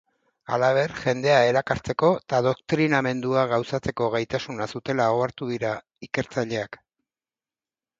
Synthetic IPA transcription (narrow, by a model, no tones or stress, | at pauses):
a̰laβ̞e̞ɾʝe̞nd̪e̞ae̞ɾakaɾt͡se̞ko̞t̪að̞o̞kt̪ɾiname̞nd̪uaɣawsat͡se̞ko̞ɣ̞ajt̪asunasut̪e̞laoaɾt̪uðiɾa | ike̞ɾt͡saʎe̞ak